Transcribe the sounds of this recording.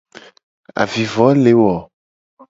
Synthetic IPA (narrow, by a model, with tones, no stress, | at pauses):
a̰˨vi˨vɔ˨˦le˨wɔ˨